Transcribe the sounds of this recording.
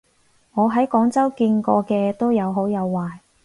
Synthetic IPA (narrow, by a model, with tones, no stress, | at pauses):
ŋɔː˨˧ɦɐ˨˥jkɔː˨˥ŋt͡sɐ˥wkiː˧nkɔː˧kɛː˧t̪o˥wjɐ˨˧wɦo˨˥wjɐ˨˧wːaː˨j